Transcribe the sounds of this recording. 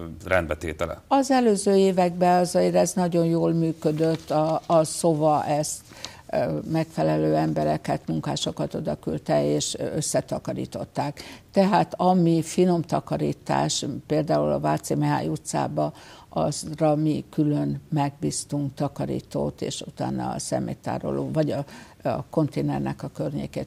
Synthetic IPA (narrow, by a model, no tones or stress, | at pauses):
rɛnd̪bɛt̪eːt̪ɛlɛ̰ɒzɛløːzøːeːvɛɡ̚bɛɒziɾɛznɒɟo̞njoːlmyːkød̪øt̪ːɒːso̞vɒʔɛst̪ | mɛkfɛlɛløːɛmbɛɾɛkɛt̪muŋka̰ːʃo̞kɒt̪o̞d̪ɒkylt̪ɛeːʃøsːɛt̪ɒkɒɾḭːt̪o̞̰t̪ːaːkt̪ɛɦaːt̪ɒmifino̞mt̪ɒkɒɾḭːt̪a̰ːʃpeːld̪aːulɒvaːt̪simɛɦaːjut̪sa̰ːbɒʔɒzrɒmikylø̞nmɛɡ̚biːst̪uŋkt̪ɒkɒɾḭːt̪o̰ːt̪ḛːʃut̪a̰ːnɒ̰sɛ̰mḛːt̪ːa̰ːɾo̞̰loːvɒɟɒ | ɒko̞nt̪eːnɛ̰rnɛkɒkørɲḛːkeːt̪